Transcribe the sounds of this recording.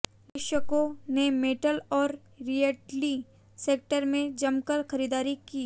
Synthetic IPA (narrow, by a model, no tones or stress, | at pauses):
ɾɪʃəkõnemeːʈəlɔːɾ | ɾieʈli | seːk̚ʈəɾmẽd͡ʒɐmkəɾxɐɾiːd̪aːɾikiː